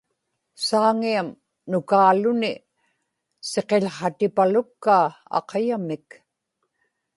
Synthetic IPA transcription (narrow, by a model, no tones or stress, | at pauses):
saːŋiam | nʊkaːlʊnɪ | se̞qeʎχɑt̪ɪpalʊkːaːɑ̰qɑjamɪk